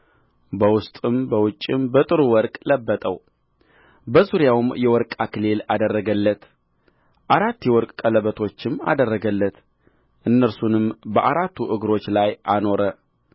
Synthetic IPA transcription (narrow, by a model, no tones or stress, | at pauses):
bəwʊst̪ʼɨmbəwʊt͡ʃʼːɪmbət̪ʼɨɾuwɔɾkʼləbːət̪ʼəw | bəzuɾjawmjɛwɔɾkʼakʰɨlelad̪ərːəɡəlːət̪ | ʔaɾat̪ːjɛwɔɾkʼkʼːələβət̪ʰo̞t͡ʃːɪma̰d̪ərːəɡəlːət̪ | ʔɨnːəɾsunɨmbəʔaɾat̪ːuʔɨɡɾo̞t͡ʃːlajʔano̞ɾə